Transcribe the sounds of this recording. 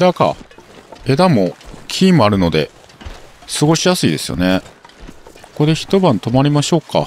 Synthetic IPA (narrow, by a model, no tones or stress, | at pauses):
ed̪aka̰ | e̞d̪amo̞kʲʰiːmoaɾɯ̟no̞d̪e̞ | sɨɡo̞ɕijasɨid̪e̞sɨjo̞̰ne | ko̥ko̞d̪e̞çi̥t̪o̞bãnt̪o̞maɾʲimaɕo̞ːka̰